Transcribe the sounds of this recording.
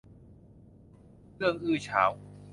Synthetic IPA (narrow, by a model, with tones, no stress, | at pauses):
ɾɯ˥˩əŋʔɯː˧˩t͡ɕʰa̰ː˩˦w